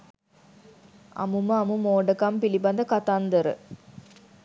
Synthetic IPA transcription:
ɐ̰muməɐmumoːɖɐkɐmpilibɐnd̪ɐkɐt̪and̪ɐɾɨ̰

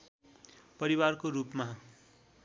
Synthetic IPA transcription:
pʌɾiwarkoɾupma

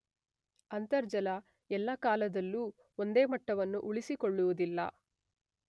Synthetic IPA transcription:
ɐnt̪ɐɾd͡ʒɐlɐ | ɛlːɐkaːlɐd̪ɐlːuː | o̞nd̪e̞ːmɐʈːɐʋɐnːuʔuɭisikoɭːuʋud̪ilːɐ̰

